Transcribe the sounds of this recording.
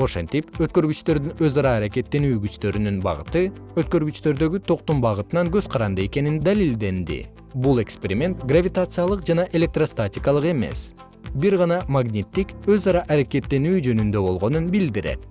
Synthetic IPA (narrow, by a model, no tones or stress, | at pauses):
o̞ʃe̞nt̪ipøt̪̚kø̞ɾɡyt͡ʃt̪ø̞ɾd̪ynø̞zɑɾɑːɾake̞t̪ːe̞nyːɡyt͡ʃt̪ø̞ɾynynbɑ̰ʁɯ̰t̪ɯøt̪̚kø̞ɾɡyt͡ʃt̪ø̞ɾd̪ø̞ɡyt̪ʰo̞q̚t̪umbɑʁɯt̪ɯnɑŋɡø̞zqʰɑɾɑnd̪ɯe̞ke̞nind̪alilʲd̪e̞nd̪ḭ | bulˠe̞kspʲe̞ɾʲimʲe̞nt̪ɡravʲit̪at̪sɨjalˠɯqd͡ʒɑnɑʔe̞lʲe̞k̚t̪rost̪atʲɪkɑlˠɯqe̞me̞̰s | biɾʁɑnɑmaɡnʲit̪ːikø̞zɑɾɑʔːɾake̞t̪ːe̞nyːd͡ʒø̞nynd̪ø̞bo̞lˠʁo̞nunbild̪iɾe̞̰t̪